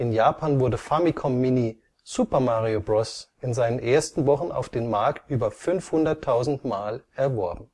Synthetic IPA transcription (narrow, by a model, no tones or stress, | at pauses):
ʔɪnjaːpʰaːnvʊɐdəfamikʰɔmmini | z̥uːpɐmaʁiobʁɔsɪnzaɪnənʔeːɐstn̩vɔχn̩a̰ʊfd̥eːnmaɐktʔyːbɐfʏnfhʊndɐtʰːaʊzn̩tmaːlʔɛɐvɔɐbm̩